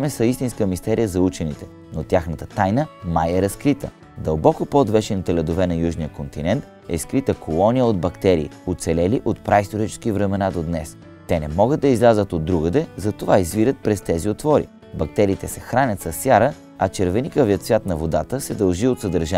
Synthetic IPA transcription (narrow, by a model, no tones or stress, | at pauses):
mɛsɐist̪inskəmist̪ɛɾijəzɐut͡ʃɛnit̪ɛ̥ | not̪ʲjaxnət̪ət̪ajnəmajɛɾɐskɾit̪ə | d̪ɐlˠbɔkopod̪vɛʃɛnt̪əlʲɛd̪ovɛnɐjuʒnijəkont̪inɛnt̪ | ɛ̰skɾit̪əkʰolˠɔnijəod̪̚bɐkt̪ɛɾiːot̪sɛlɛliʔot̪̚pɾaist̪oɾit͡ʃɛ̥sk̟ivɾɛmɛnad̪od̪nɛs | t̪ɛnɛmɔɡəd̪̚ːɐizlʲazət̪od̪ːɾuɡəd̪ɛzɐt̪ovaizviɾət̪̚pɾɛst̪ɛziot̪vɔɾḭ | bɐk̚t̪ɛɾiːt̪ɛsɛxɾanʲət̪sɐsːjaɾə | ɐt͡ʃɛɾvɛnikəviət̪svʲat̪nɐvod̪at̪əsɛd̪ɐlˠʒiot̪sɐd̪əɾʒa